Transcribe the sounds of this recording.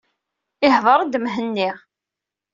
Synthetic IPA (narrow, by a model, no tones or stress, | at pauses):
ɪhðˤəɾˤd̪mɦənːiʁ